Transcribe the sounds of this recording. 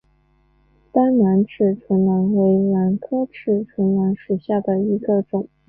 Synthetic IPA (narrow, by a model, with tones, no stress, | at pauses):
t̪a˥nna˧˥nʈ͡ʂʰɻ̩˥˩ʈ͡ʂʰwə˧˥nla˧˥nwe˧˥ɪla˧˥nkʰɤ˥ʈ͡ʂʰɻ̩˥˩ʈ͡ʂʰwə˧˥nla˧˥nʂu˨˩ɕja˥˩d̪ə˩i˧˥ɡə˧ʈ͡ʂʊ˨˩˦ŋ